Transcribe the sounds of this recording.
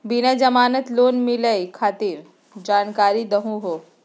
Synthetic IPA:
binad͡ʒɐmaːnət̪loːnmɪləikʰaːt̪iːɾ | d͡ʒaːnkaːɾid̪ɐɦũɦoː

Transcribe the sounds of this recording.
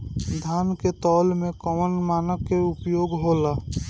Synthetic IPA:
d̪ʱaːnket̪ɔːlmẽkɔmənmaːnəkːeʊpjoːɡɦoːlaː

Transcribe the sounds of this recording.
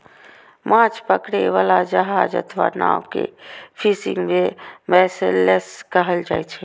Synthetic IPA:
mãt͡ʃpəkɽeʋalad͡ʒəɦad͡ʒə̰t̪ʰʋa̰na̰wkḛpʰisiŋɡmemɛseleskəɦəld͡ʒajt͡ʃʰɛ

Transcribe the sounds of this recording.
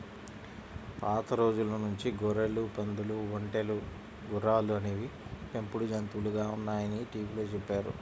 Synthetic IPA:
paːt̪ɐɾo̞ːd͡ʒulɐnuɲt͡ʃiɡɔɾelupɐnd̪uluʋoɳʈelu | ɡuɾːaːluɐneʋipempuɽud͡ʒɐnt̪uluɡaːunːaːjɐniʈiːʋiloːt͡ʃepːaːɾṵ

